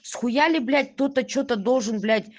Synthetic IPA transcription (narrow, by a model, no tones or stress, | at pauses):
sxujalʲɪblʲæt̚ʲt̪ot̪ət͡ɕot̪əd̪olˠʐɤnblʲætʲ